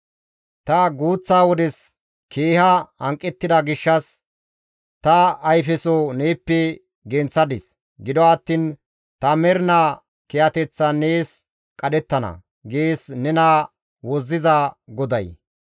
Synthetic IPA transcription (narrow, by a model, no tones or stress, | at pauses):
t̪ɐɡuːt͡sːaːwɔd̪ɛs | keːhɐhɐŋkʼːɛt̪ːɪd̪ɐɡɪʃːɐs | t̪ɐːjfɛsoneːpːɛ | ɡɛnt͡sːɐd̪ɪs | ɡɪd̪ɔɐt̪ːiːn | t̪ɐmɛɾna | kɛjɐt̪ɛt͡sːɐneːs | kʼɐdɛt̪ːɐnɐ̰ | ɡeːsnɛna | wɔzːɪzɐɡɔd̪ɐj